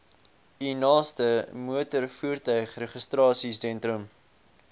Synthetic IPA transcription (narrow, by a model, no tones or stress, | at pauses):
inɑːstəmuətərfuːrtœɥχrɛχəstrɑːsisɛntrəm